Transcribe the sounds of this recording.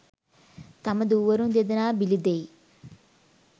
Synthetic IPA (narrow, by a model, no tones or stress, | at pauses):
t̪ɐmɐd̪uːʋɐɾund̪ed̪ɐnaːbilid̪ej